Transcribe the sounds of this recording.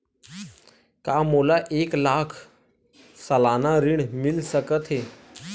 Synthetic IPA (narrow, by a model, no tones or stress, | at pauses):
kamolaʔeklakʰ | səlanaɾiɳmilsəkət̪ɦe